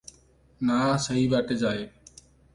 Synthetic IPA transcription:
naːsəɦiːʋaːʈeːd͡ʒaːɦeː

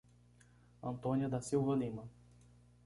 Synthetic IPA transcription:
ɐ̃nt̪õniɐd̪ɐsiwvɐlĩmɐ

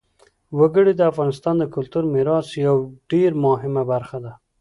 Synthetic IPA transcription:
waɡəɽid̪əafɣɑnɪst̪ɑnd̪əkʊlt̪uɾmɪɾɑsjawɖeɾmʊɦɪmabaɾxad̪a

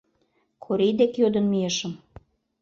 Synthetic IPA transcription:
kʰoɾijd̪ekjod̪ə̆nmieʃəm

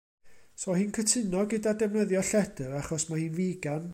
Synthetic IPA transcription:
soːhɨnkʰətʰɨnɔɡədadɛmnəðjɔɬɛdəɾaχɔsmahiːnviːɡan

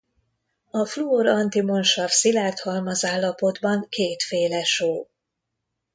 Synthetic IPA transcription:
ɒfluoɾɒnt̪imo̞nʃɒvsilaːrt̪hɒlmɒzaːlːɒpo̞d̪bɒŋkeːt̪feːlɛʃoː

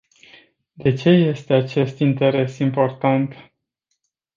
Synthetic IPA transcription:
d̪e̞t͡ʃe̞je̞st̪e̞at͡ʃe̞st̪int̪e̞ɾe̞simpo̞rt̪ant̪

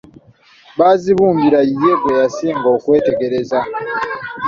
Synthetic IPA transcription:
βaːziβuːmbiɾaije̞βwe̞jasiːŋɡo̞ːkwe̞ːte̞ɡe̞ɾe̞za

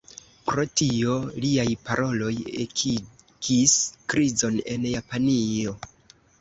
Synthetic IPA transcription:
pɾo̞tio̞liajpaɾʔo̞lo̞jek | kiskɾizo̞ne̞njapanio̞

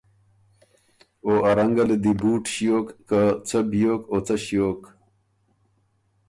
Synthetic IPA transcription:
oːʔɐɾɐŋɡɐled̪ibuːʈɕjoːkːat͡sɐbijoːkoːt͡sɐɕijoːk

